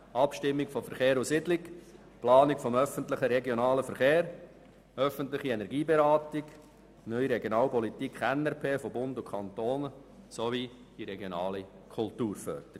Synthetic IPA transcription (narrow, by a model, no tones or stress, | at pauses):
ɑpʃtɪmːikfofəɾχeːɾʊsɪdlɪɡ | plɑːnikfɔmœfəntlɪχəɾɛɡjonɑːləfəɾχeːɾ | œfəntlɪχiɛnɛɾɡiːbeɾɑːtiɡ | nœʏiɾɛɡjonɑːlpɔlitikχɛnɛrpʰeːfobʊnd̪ukʰɑnt̪oːnsoʋi | d̥iɾɛɡjonɑ̰ːli | kʰʊltuːɾfœ̰ɾd̪̥əɾi